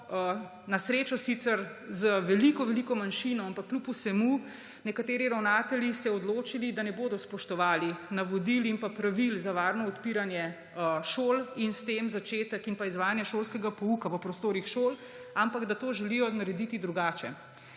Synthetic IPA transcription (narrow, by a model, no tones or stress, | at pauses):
nasɾeːt͡ʃɔsit̪sɛɾzəʋɛlikɔʋɛlikɔmanʃinɔampakːlupusɛmu | nɛkat̪eːɾiɾawnaːt̪ɛljisɛɔd̪loːt͡ʃilid̪anɛboːd̪ɔspɔʃt̪ɔʋaːlinaʋɔd̪ilimpapɾaʋilzaʋaːɾnɔːt̪piɾanjɛ | əʃoːlinst̪emzat͡ʃeːt̪əkinpaizʋaːjanjɛʃolskɛɡapɔukaʋəpɾɔst̪oːɾixʃoːl | ampaɡd̪at̪oːʒɛlijɔnaɾɛd̪it̪id̪ɾuɡaːt͡ʃɛ̰